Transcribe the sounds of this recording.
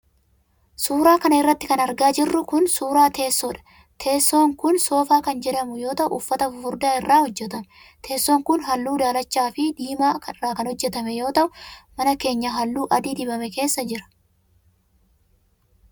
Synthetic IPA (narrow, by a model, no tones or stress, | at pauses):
suːɾaːkɐnɐɪrːɐt̪ːɪkɐnɐɾɡaːd͡ʒɪrːʊkʊnsuːɾaːt̪e̞ːsːoːᶑɐ̥ | t̪ʰe̞ːsːo̞ːŋkʊnso̞ːfaːkɐnd͡ʒɛᶑɐmʊjo̞ːt̪ɐʔʊ̰ːfːɐt̪ɐfʊfʊɾd̪aːɪrːaːhɔd͡ʒːɛt̪ɐm | t̪ʰe̞ːsːoːŋkʊnɦɐlːuːd̪aːlɐt͡ʃːaːfɪd̪iːmaːkɐɪraːkɐnhɔd͡ʒːɛt̪ɐmɛjo̞ːt̪ɐʔʊmɐnɐke̞ːɲːɐɦɐlːuːʔɐd̪iːd̪ɪbɐmɛke̞ːsːɐd͡ʒɪɾɐ̥